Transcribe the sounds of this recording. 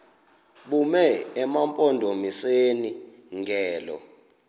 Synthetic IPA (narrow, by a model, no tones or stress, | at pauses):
ɓumɛɛmampʼɔndʱomiseni | ŋɡʱɛːlɔ̰